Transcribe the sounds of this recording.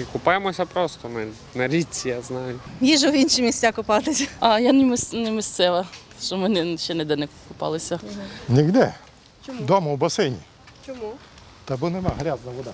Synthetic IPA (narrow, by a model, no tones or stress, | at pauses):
kʊpɑjemɔsʲɐpɾɔst̪ɔmɛnɛ | nɐɾʲit͡sʲːijaznɑjʊjiʒɛʋinʃɪmʲisʲt͡sʲakʊpɑt̪ɪsʲɐɐjanɪmɪsnɛmɪsʲt̪sɛʋɐ | ʃɔmɪnɛʃɛnɛd̪ɛnɛkkʊpɑ̰lˠɪsʲɐnʲiɣd̪ɛ | t͡ʃd̪ɔmɐwbɐsɪnʲḭ | t͡ʃɔmu | t̪ɐbunemaɦɾʲaznɐʋɔd̪a